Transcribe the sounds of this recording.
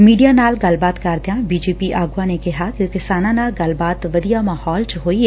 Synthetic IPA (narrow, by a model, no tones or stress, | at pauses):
miːɖijaːnaːlɡəlbaːt̪kəɾd̪ejãːbiːd͡ʒeːpiːʔaːɡʊaːneːkɪɦaːkɪkɪsaːnãːnaːlɡəlbaːt̪ʋəd̪ijaːmaːhɔːlt͡ʃəɦoːiːɛ